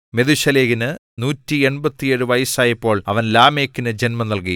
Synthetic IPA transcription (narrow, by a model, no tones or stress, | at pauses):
me̞ðuɕɐleːɣinɨ | nuːtːie̞ɳbɐt̪ːijeɻɨʋɐjɐsaːjipːo̞ːɭɐʋɐnlaːme̞ːkːinɨd͡ʑe̞nmɐmnɐlk̬i